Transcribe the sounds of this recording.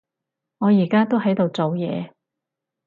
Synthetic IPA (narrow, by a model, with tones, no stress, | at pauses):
ŋɔː˨˧jiː˨˩kaː˥t̪o˥wɦɐ˨˥jt̪o˨wt͡so˨wjɛ̰ː˨˧